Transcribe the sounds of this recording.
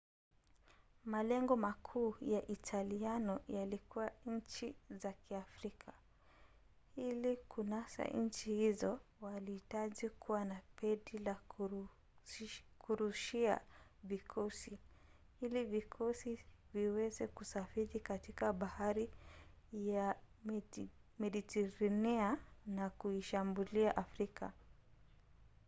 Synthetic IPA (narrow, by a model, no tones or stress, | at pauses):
malɛŋɡɔmakʰuːjaʔitʰalianɔjalikuwaɲ̩t͡ʃizakiafɾikʰa | ilikunasa̰ɲ̩t͡ʃihizɔwalihitaʄikʰuwanapɛɗila | kuɾuʃia̰vikʰɔsi | ilivikʰɔsiviwɛzɛkusafiɾikatikaɓahaɾi | ja | mɛɗitɛɾanɛanakuiʃambuliaʔafɾikʰa̰